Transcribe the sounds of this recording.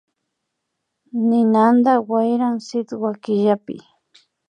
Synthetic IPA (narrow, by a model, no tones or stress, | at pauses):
nɪnand̪awajɾaŋsɪt̪wakɪʎapɪ̰